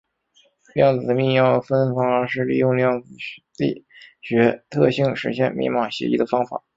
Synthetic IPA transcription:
ljɑ˥˩ŋt͡sɹ̩˨˩d̪ə˦mi˥˧ŋjɑ˥˩ʊə˩fə˥nfɑ˧˥ŋə˞˧˥ʂɻ̩˥˧lḭ˥˧jʊ˥˧ŋljɑ˥˩ŋt͡sɹ̩˨˩t̪ḭ˥˩ɕɥɛ˧˥t̪ʰɤ˥˧ɕi˥˩ŋʂɻ̩˧˥ɕjɛ̰˥˩˧nmḭ˥˩mɑ˨˩ɕjɛ̰˧˥ḭ˥˩d̪ə˩fɑ˥ŋfa̰˨˩˦

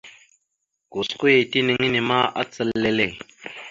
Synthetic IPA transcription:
ɡ̥o˨sku˦je˨ti˦ni˨ŋi˦ni˨ma˦ʔa̰˦t͡sə˨lːe˦le˦˨

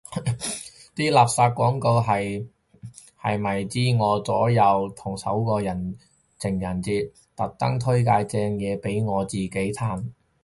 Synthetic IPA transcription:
t̪iː˥laː˨p̚saː˧t̚kːwɔː˨˥ŋko˧wɦɐ˨j | hɐ˨jmɐ˨˩jt͡siː˥ŋɔː˨˧t͡sɔː˨˥jɐ˨˧wt̪ʰʊ˨˩ŋsɐ̰˨˥wkɔː˧jɐ˨˩n | t͡sʰɪ˨˩ŋjɐ˨˩nt͡siː˧t̚ | t̪ɐ˨˥k̚t̪ɐ˥ŋt̪ʰɵ˥jkaː˧jt͡sɛː˧ŋjɛː˨˧pe˨˥jŋɔː˨˧t͡siː˨ke˨˥jt̪ʰaː˧˥˩n

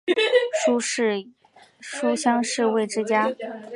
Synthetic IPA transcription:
ʂ | ʂu˥ɕjɑ˥ŋʂɻ̩˥˧we˥˩ɪʈ͡ʂɻ̩˥˧t͡ɕja˥

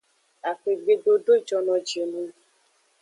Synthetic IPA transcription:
a˨fe˨ɡ͡be˧ɖo˧do˦i˦˨d͡ʒɔ˧nɔ̃˧d͡ʒe˨nũ˧

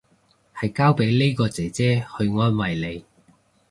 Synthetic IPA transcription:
hɐ˨jkaː˥wpe˨˥jle˥jkɔː˧t͡sɛː˨˥t͡sɛː˥hɵ˧ɥŋɔː˥nwɐ˨jle˨˧j

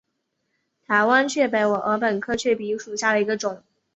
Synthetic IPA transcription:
t̪ʰa˧˥ɪwa˥nt͡ɕʰɥɛ˥˩pe˧˥ɪwɔ˨˩ʔə˧˥pə˨˩nkʰɤ˥t͡ɕʰɥɛ˥˩pi˧˥ʂu˨˩ɕja˥˩d̪ə˩i˧˥ɡə˧ʈ͡ʂʊ˨˩˦ŋ

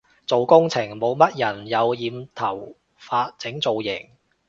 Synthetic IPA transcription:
t͡so˨wkʊ˥ŋt͡sʰɪ˨˩ŋmo˨˧wmɐ˥t̚jɐ˨˩njɐ˨˧wjiː˨˧mt̪ʰɐ˨˩w | faː˧t̚t͡sɪ˨˥ŋt͡so˨˧wjɪ˨˩ŋ

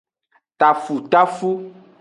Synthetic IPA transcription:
t̪a˨fu˨t̪a˦fu˦

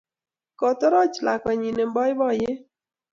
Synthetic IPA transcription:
kɔ˨t̪ɔ˦ɾɔ˦t͡ʃla˨kwa˨ɲi˨ne˨mbɔ˦jɪ˦bɔ˦˨jɪ˦

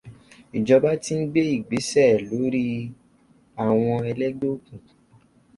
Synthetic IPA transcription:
i˨d͡ʒɔ˧ba˦ti˦n̩˦ɡ͡be˦i˦˨ɡ͡be˨˦sɛ˦˨lo˨˦ɾi˦ | a˨w̃ɔ̃˧ɛ˧lɛ˦ɡ͡bo˦kũ˨

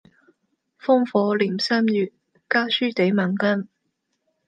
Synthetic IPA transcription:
fʊ˥ŋfɔː˨˧liː˨˩msaː˥mjyː˨˩t̚ | kaː˥syː˥t̪e˨˥jmɐ˨˩nkɐ˥n

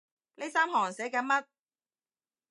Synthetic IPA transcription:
ne˨˧˥saː˥mɦɔː˨˩ŋsɛː˨˥kɛː˨˧˥mɐ˦˥t̚

